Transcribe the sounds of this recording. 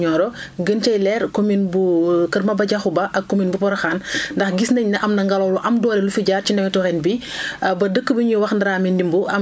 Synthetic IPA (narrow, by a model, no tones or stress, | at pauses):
ɲɔːɾɔɡənt͡ʃɐjlɛːɾkominbukɐɾmɐbɐɟɐxubɐʔɐkːominbupɔɾɐxaːnndɐxɡisnɐɲnɐʔɐmnɐŋɡɐlɔːluʔɐmdɔːɾɛlufiɟaːrcindɛmɛtɔɾɛnbibɐdəkːəbəɲuwɐxndɐɾaːmindimbuɐm